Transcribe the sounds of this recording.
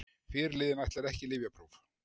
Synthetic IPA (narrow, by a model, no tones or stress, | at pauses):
fɪːɾɪɾlɪːðɪnajht̪lɛɾɛhcɪlɪːvjapɾuv